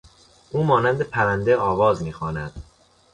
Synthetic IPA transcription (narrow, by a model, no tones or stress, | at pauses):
ʔuːmɒːnænd̪e̞pʰæɾænd̪eɒːvɒːzmiːxɒːnæd̪̥